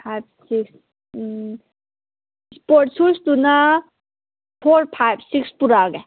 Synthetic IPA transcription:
pʰajbsiks | spoːɾʈsust̪una | pʰoːɾpʰajbsikspuɾaɡɛ

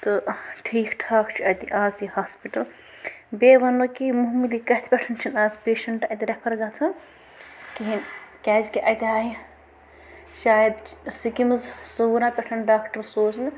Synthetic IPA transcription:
t̪ɨʈʰiːkʈʰaːkt͡ʃʰiɐt̪iʔaːzjihaːspiʈɐl | beʋɐnokimuɦmilikɐt̪ʰpʲɐʈʰɐnt͡ʃʰinaːzpeːʃɐɳʈɐjt̪iɾɐpʰɐɾɡɐt͡sʰɐ | kiɦinkʲaːzkiʔɐt̪ʲɦaːɦi | ʃaːjɐd̪sikimɨzsoɾãpɐʈʰɐnɖaːkʈɐɾsoːzn

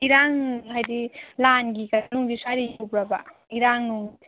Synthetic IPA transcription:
iɾaŋɦajdilanɡikanuŋɡisaɾijubɾaba̰ | iɾaŋnuŋ

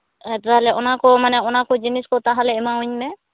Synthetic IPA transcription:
ɛt̪aɦalɛʔɔnakɔmanɛɔnakɔd͡ʒiniskɔt̪aɦalɛɛmauɲmɛ

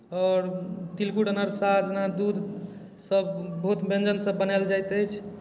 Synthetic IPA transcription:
ɔɾt̪ilkuʈənəɾsad͡ʒnad̪ud̪ʱ | səbbəɦut̪bʱẽnd͡ʒənsəbːənald͡ʒajt̪əjt͡ʃʰ

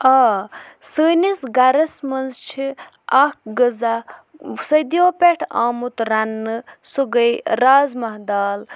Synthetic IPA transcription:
aːsəːnisɡɐɾɐsmɐnzt͡ʃʰi | akɡəza | sɐd̪joːpeʈʰa̰ːmut̪ɾɐnːɨsuɡəjɾaːzmɐɦd̪aːl

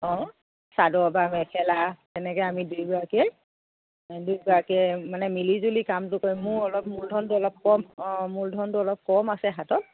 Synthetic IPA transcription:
ɔ̃ | sadɔbamɛkʰɛlatɛnɛkɔjamidujbɔɹakiɛ | dujbɔɹakiɛmanɛmilizulikamtʊkojmʊɹɔlɔp̚muldʱɔntʊɔlɔp̚kɔmɔmuldʱɔntʊɔlɔp̚kɔmasɛɦatɔt̚

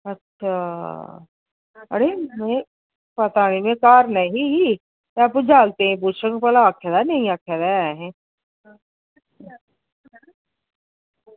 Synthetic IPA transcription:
ɐtːʃʰa | ɐ̰ɾemẽ | pɐt̪aːɽ̃imẽkaːɾnɐɦĩɦi | aːpud͡ʒaːlt̪eɦɛ̃buɾʃə̃ŋɡpɐlaːkʰjed̪anɐɦĩaːkʰjad̪aɛɦɛ̃

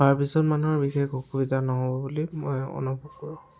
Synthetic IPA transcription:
baɹpisɔtmanuɦɔɹbixekokubidʱanɔɦobɔbulimɔjɔ̰nupukɔɹũ

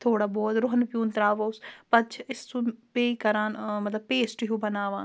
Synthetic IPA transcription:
t̪ʰoːɽaːbɔːt̪ɾʊɦənpjuːnt̪ɾaːʋoːspət͡ʃʰɪsːũːpeːikəɾãːnmət̪ləb̚peːsʈɦũːbənaːʋaːn

